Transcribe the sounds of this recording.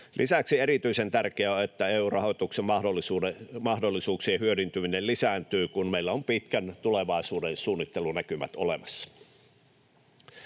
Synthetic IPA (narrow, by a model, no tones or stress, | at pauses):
lʔisæksieɾit̪yisent̪ærkeæoet̪ːæeːuːrɑho̞t̪uksemɑholːisuːemɑhdolːisuːksiɑhyødynt̪yminellisæːnt̪yːkunmeilːæompit̪kænt̪uleʋɑˑisuːdensuːnːit̪ːelunækymæ̰t̪olemɑsːɑ̥